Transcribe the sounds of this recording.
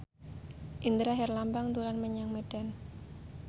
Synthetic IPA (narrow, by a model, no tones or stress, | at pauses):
ʔind̪əɾaɦɛrlambaŋt̪ulanməɲaŋmeɖ̥an